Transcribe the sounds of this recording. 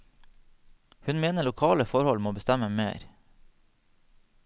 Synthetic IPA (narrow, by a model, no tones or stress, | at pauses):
hʉnmeːnəɭʊkʰɑːləfɔɾhɔlmoːbəst̪ɛməmḛːɾ